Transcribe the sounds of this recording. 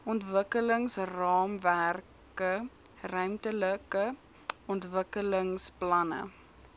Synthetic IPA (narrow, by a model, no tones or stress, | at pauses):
ʔɔntvəkələŋsrɑːmvær | kə | rœɥmtələkə | ɔntvəkələŋsplɐnə̰